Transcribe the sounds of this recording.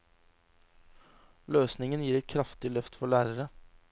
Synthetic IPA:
løːsnɪŋənjiːɾɛt̪̚kʰɾɑft̪ɪlœft̪fɔɭæːɾəɾə

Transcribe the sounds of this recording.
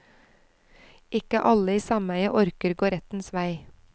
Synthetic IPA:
ʔɪkəʔɑləiːsɑmæɪəʔɔɾkəɾɡoːɾɛt̪n̩sʋæɪ

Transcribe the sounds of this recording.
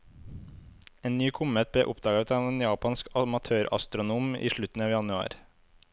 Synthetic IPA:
eːnnyːkʰʊmət̪̚blḛːʔʊpd̪ɑːɡɑt̪ʰɑːʋeːnjɑːpɑnskɑmɑt̪ʰøːɾɑ̰st̪ɾʊnuːmḭːʃɭʉt̪n̩ɑːʋjɑnʉɑ̰ːɾ

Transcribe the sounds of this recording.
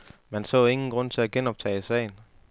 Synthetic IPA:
mænsɔ̰̽ːe̝ŋn̩ɡ̥ʁɔ̽n̰t͡sʰe̝læɡ̥enɒ̽b̥̚t͡sʰɛ̰ːisɛ̰ɪn

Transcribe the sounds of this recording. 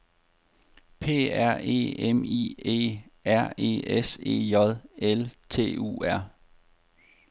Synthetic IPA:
pʰe̝̰ːæɐ̰e̝̰ːemḭːḛːæɐ̰e̝̰ːese̝̰ːjɒðˠelt͡sʰe̝̰ːṵːæɐ̰

